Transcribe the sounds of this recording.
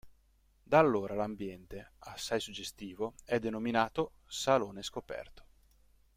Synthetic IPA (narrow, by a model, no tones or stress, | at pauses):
d̪alːoːɾalambjɛnt̪easːajsud͡ʒːest̪iːvoɛd̪ːenominaːt̪o | saloːneskopɛ̰rt̪o̥